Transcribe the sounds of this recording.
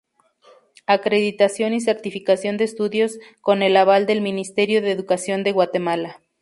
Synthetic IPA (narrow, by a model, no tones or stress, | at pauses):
akɾe̞ðit̪asjo̞nis̬e̞ɾt̪ifikasjo̞nd̪eːst̪uðjo̞sko̞ne̞laβald̪e̞lmĩnist̪e̞ɾjo̞ðeːðukasjo̞nd̪e̞ɣwat̪e̞mala